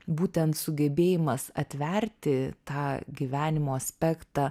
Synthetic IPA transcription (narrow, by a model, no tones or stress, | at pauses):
buːt̪ʲɛnt̪sʊɡʲɛbʲeːjɪmɐsɐ̰t̪ʲʋʲɛɾʲt̪ʲɪt̪ɑːɡʲiʋʲæːnʲɪmoːɐsʲpʲækt̪ɑː